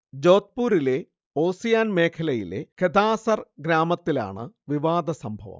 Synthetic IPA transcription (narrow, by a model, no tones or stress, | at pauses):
d͡ʑo̞ːt̪̚puːɾile̞ | oːsijaːnme̞ːkʰɐlɐjḭlḛkʰed̪aːsɐrɡɾaːmɐt̪ːila̰ːɳɨ̰ʋiʋaːd̪ɐsɐmbʱɐʋɐ̰m